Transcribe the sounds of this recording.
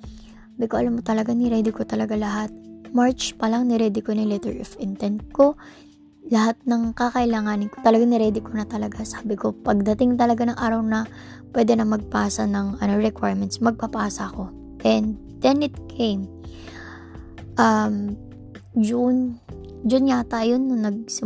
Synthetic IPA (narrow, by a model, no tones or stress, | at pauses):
aːbɪkoʔɐlamːot̪ɐlɐɡanɪɾɛd̪ɪkot̪ɐlɐɡalɐɦat̪̚maɹt͡ʃpɐlaŋnɪɾɛːd̪ɪkonɐlɛt̪ɛɹʔɪfɪnt̪ɛnd̪̚ko̞ | lɐɦat̪̚nɐŋkakɐʔɪlaːŋaːnɪnkot̪ɐlɐɡaŋnɪɾɛːd̪ɪkonɐt̪ɐlɐɡasaːbɪko̞pɐɡ̚d̪ɐt̪ɪŋt̪ɐlɐɡanɐŋʔaːɾɐwnɐ | pwɛd̪ɛnɐmɐɡ̚paːsɐnɐŋʔɐnoɹɛkwajɹmɛnt̪smɐɡ̚pɐpaːsɐɐko̞ | ʔɛnd̪ | d̪ɛnʔɪt̪̚kʰejm | ʔɐm | d͡ʒʊn | d͡ʒʊnɲat̪ajonːʊnɐɡ̚sɪ